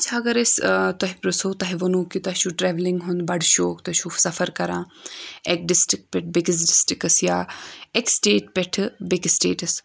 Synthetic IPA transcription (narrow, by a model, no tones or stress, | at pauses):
t͡ʃʰaːɐɡɐɾest̪ɐɦipɾɐsoːt̪ɐɦiʋɐnuːkit̪ɐɦʃuʈɾɛːʋliŋɡɦʊnd̪bɐɖʃoːkt̪ɐʃʰuːfsɐfɐɾkɐɾãːek̚ɖɪsʈɾɪk̚pɛʈʰbekis̬ɖɪsʈɾɪkɐsjaːeksʈeːʈ̚pɛʈʰbeksʈeːʈɐs